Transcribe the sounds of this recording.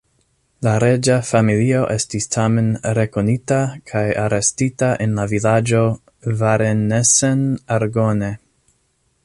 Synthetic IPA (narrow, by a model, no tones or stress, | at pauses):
laɾe̞d͡ʒafamilio̞ʔe̞stistʰame̞nɾe̞ko̞nitakʰajaɾe̞stitaʔe̞nlavilad͡ʒo̞ | vaɾenesenaɾɡo̞ne̞